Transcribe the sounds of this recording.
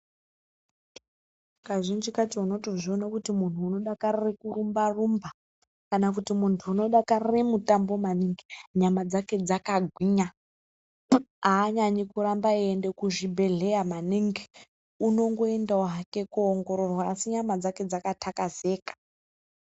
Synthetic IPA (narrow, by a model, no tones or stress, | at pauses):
kaʐind͡ʒikatiuno̞toʐionakutimun̤uːno̞ɗakarirekurumbarumba | kanakutimuntʰuːno̞ɗakariremutambo̞maniŋɡiɲamad͡zake̞d͡zakaɡʱwiːɲa | aːɲaɲikuɾambaiendekuʐibʱe̞ɮe̞jamaniŋɡi | uno̞ŋɡo̞endauɦakekuoŋɡo̞ɾo̞rwaːsiɲamad͡zake̞d͡zakatʰakaze̞ːkḁ